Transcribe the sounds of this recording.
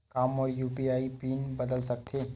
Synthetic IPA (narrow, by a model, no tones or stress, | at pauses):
kaːmɔːɾjuːpiaːipiːnbəd̪əlsɐk̚t̪ʰeː